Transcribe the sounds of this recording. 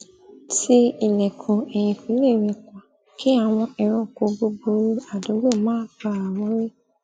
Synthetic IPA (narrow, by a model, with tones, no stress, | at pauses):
ti˧i˦˨lɛ˨kʰɔ̃˨ɛ˨j̃ĩ˧fi˨˦le˦˨ɾe˨˧˨kʷa˨ | ki˦a˧˨w̃ɔ̃˧ɛ˧ɾ̃ɔ̃˦˨ko˨˦ɡ͡bo˧ɡ͡bo˧˦ɾa˨do˨˦ɡo˦˨mãː˦k͡pa˦˨a˨wɔ̃˨˦ɾe˦